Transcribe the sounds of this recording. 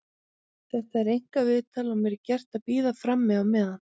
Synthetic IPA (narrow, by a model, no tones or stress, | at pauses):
θɛht̪aɛɾejŋ̥kavɪːðt̪ʰaːlɔmɛɾcɛr̥t̪aðpiːðafɾamːɛðamɛðan